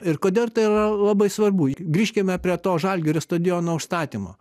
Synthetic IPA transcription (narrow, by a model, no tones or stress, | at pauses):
ɪrkoːd̪ʲeːlˠt̪ɐɪirɐlˠɑbɐɪsʋɐrbuːɡɾʲiːʃʲkʲɪmʲɛpʲɾʲiɛt̪oːʒɐlʲɡʲoːɾʲɪst̪oːd̪ʲeːjoːnoɔʊʃst̪ɑːt̪ʲiːmo̰